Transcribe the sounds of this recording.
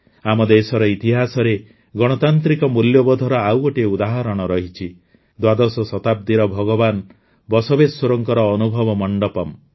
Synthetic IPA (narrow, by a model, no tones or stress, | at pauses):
amɔd̪esɔɾɔit̪iɦasɔɾe | ɡɔɽ̃ɔt̪ant̪ɾikɔmuljɔbɔd̪ʱɔɾɔawoʈieud̪aɦɔɾɔɽ̃ɔɾɔɦit͡ʃʰi | d̪wad̪ɔsɔsɔt̪ab̚d̪iɾɔbʱɔɡɔban | bɔsɔbesoɾɔŋkɔɾɔːnubʱɔbɔmɔɳɖɔpɔm